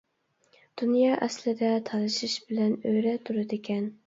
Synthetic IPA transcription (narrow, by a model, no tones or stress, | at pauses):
d̪̥unjɑːʔɛslɪd̪ɛt̪ʰɑnɨʃiʃbɪlɛnøjɾɛt̪ʰuɾɨd̪ɪkʲʰɛn